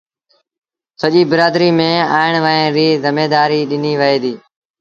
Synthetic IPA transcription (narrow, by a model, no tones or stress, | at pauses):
səʄiːbəɾaːd̪ɾiːmẽːaːɪɳ̃ʋəẽːɾiːzɪmeːd̪aːɾiːɗɪniːʋəɦeːd̪iː